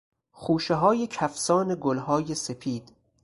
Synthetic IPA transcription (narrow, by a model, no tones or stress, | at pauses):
χuːʃeɦɒːjecʰæfsɒːneɡolɦɒːje̞se̞pʰiːd̪̥